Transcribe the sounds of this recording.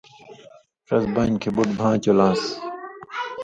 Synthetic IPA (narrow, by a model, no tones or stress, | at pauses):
ʈ͡ʂɐsbɐnkʰebuʈbʱãːt͡ɕolãːs